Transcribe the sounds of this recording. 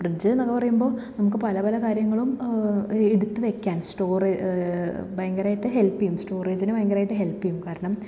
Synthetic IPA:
prɨd͡ʑɨnɐkːɐpɐrɐjumbo̞ːnɐmukːɨpɐlɐpɐlɐkaːɾjɐŋːɐɭum | eɽut̪ːɨʋe̞kʲːaːnsʈo̞ːre | bɐjŋɡɐɾaːjiʈːɨɦe̞lpːijumsʈo̞ːreːd͡ʑinɨbɐjɐŋɡɐɾaːjiʈːɨɦe̞lpːijumkaːɾɐɳɐm

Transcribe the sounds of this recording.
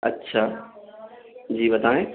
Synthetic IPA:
ɐ̰tːɕʰa | d͡ʑiːbɐd̪ãːɦẽ

